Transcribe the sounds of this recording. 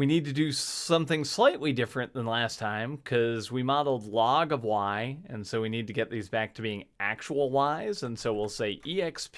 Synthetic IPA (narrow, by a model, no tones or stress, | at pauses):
winid̚tɨdɨsʌ̃mθɪ̃ŋslaɪʔˡlidɪfɹɨ̃nðə̃nlæstʰãɪ̃mkʰʌzwimɑɾl̩ˠdˡlɔɡʌvwaɪɨ̃nsoʊwinid̚tɨɡɛt̪̚ðizbæk̚tʰɨbiɪ̃ŋʔæk̚t͡ʃəl̩ˠlaɪzɨ̃nsoʊwilˠseɪʔiɛkspʰ